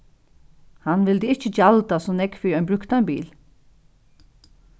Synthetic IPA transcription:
hanʋɪld̪əɪht͡ʃəd͡ʒalt̪asɔːnɛkfiœjnbɾʏkt̪anbiːl

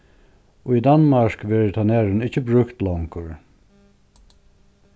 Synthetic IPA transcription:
oːiːd̪ɑnmɑɹkʋɛɹt̪ʰanæːɹənɪçəbɾʉkt̪lɔŋkəɹ

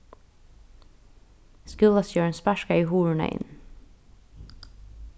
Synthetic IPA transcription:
skʉlɑsøːɳspæʃkɑiːhuːɹɳə̰ʔɪ̰n

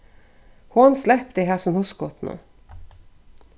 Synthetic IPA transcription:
hʊnslɛpd̪ɛɦæːsɔmhʊskɔt̪nṵː

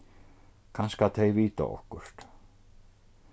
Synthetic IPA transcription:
kʰanskat̪θejviːt̪a̰ɔ̰hkʏr̥t̪

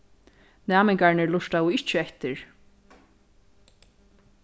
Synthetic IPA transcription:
næːmɛŋkaɹnɪɹlʊʃt̪aʊɪht͡ʃːɪɛht̪ɪɹ

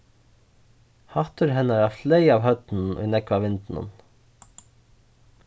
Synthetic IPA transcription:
hɑht̪ʏɾɦɛnaɾæːfleɪaːʋɦœt̪n̩n̩ʏ̰nɛkʋaʋɪnt̪n̩ə̰n

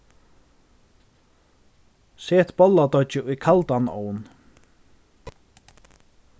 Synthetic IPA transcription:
seːt̪bɔlat̪ɔt͡ʃɪʊjkʰalt̪anɔ̰ːwn

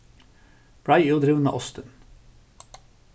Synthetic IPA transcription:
b̥ɹɑɪjuːd̪ɾɪʋənmḛːʔɔst̪ən

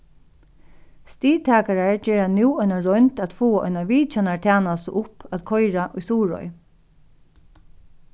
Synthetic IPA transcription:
st̪iːt̪ʰaːkaɹaɹd͡ʒɛːɹanuːɔjnaɹɔʏnt̪at̪foːaʔɔ̰jnaʋiːt͡ʃanaɹt̪ʰaːnasɔ̰ʔʊpaːt̪kʰɔjɾaʔʊjsuːɹɔ̰j

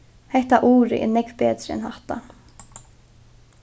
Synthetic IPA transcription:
hɛjht̪aʔuːɾɪ̰ʔɛ̰nɛkpɛːt̪ɾɪɛ̰nhaht̪a̰

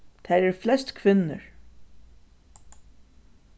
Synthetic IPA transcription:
t̪ʰæɾɛɾflɛst̪kʰvɪnːə̰ɹ

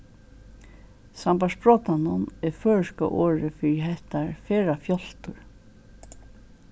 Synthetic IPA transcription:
sampaʂbɹɔːt̪anʊnɛɾfœːɹɪska̰ʔoːɹɪfɪɾiɦɛht̪aɹfɛːɾafjɔl̥t̪ʊɹ

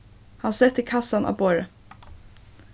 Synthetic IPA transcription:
hɑnsɛt̪ːikʰɑsɑnʔɑ̰ːboːɹə

